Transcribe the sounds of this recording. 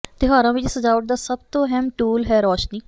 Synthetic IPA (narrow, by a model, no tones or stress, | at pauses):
t̪eːɦaːɾãːʋɪt͡ʃsəd͡ʒaːʋəʈ̚d̪aːsəbt̪õːɦɛmʈuːlɦɛːɾɔːʃniː